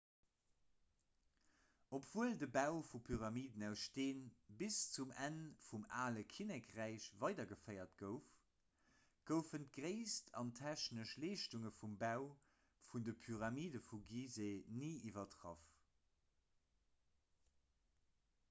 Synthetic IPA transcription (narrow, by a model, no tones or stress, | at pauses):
opv̥uəldəbæʊfupʰyʁɑmiːdənæʊsʃteːnbist͡sumænfumaːləkʰinɛkʁæɪʃvɑɪdɐɡəfɜɪɐt̚ɡ̥əʊf | ɡ̥əʊfənt̚ɡʁeɪstʰɑ̰ntʰæɕnəʃleːʃtuŋəfumbæʊ | fundəpʰyʁɑmiːdəfuɡiːzeniːʔivɐtʁɑ̰f